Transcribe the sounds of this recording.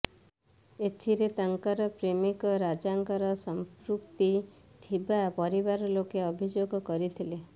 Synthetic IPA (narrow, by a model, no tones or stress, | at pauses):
et̪ʰiɾet̪aŋkaɾɔpɾemikɔɾad͡ʒaŋkɔɾɔsɔmpɾukt̪i | t̪ʰibapɔɾibaɾɔlokeɔbʱid͡ʒoɡɔkɔɾit̪ʰile